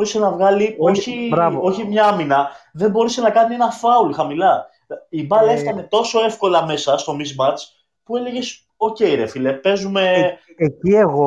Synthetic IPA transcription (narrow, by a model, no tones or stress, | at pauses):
ɾisenɐvɣɐlioçiɾɐo̞çimɲɐɐminɐðe̞mbo̞ɾisenɐkɐnie̞nɐfɐulxɐmilɐ | ibɐle̞ft̪ɐne̞t̪o̞so̞e̞fko̞lɐme̞sɐst̪o̞mizmɐt͡s | pue̞le̞ʝe̞s | o̞ce̞iɾe̞filepe̞zume̞ | ecieɣo